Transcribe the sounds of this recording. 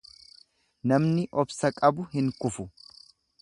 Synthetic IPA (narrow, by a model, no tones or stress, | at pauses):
nɐmnɪʔɔbsɐkʼɐbʊhɪŋkʼʊfʊ